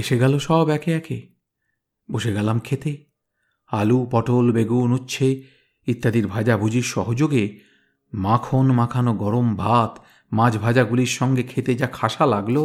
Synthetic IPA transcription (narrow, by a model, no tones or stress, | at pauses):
eʃeɡɛloʃɔbɛkʰeɛkʰe | boʃeɡɛlamkʰet̪e | alupɔʈolbeɡunutːɕʰe | it̪ːad̪iɾbʱad͡ʑabʱud͡ʑiɾʃɔɦod͡ʑoɡe | mãkʰonmãkʰanoɡɔɾombʱat̪ | mãd͡ʑbʱad͡ʑaɡuliɾʃɔŋɡekʰet̪ed͡ʑakʰaʃalaɡlo